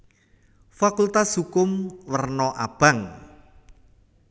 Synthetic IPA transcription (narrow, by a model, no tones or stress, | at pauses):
fakult̪ashukʊmwərnɔʔab̥a̤ŋ